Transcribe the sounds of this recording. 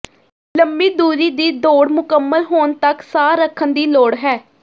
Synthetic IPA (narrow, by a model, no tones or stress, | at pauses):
ləmbiːd̪uːɾiːd̪iːd̪oːɽmʊkəmːəlɦoːnt̪əksaːɾəkʰːənd̪iːloːɽɦɛː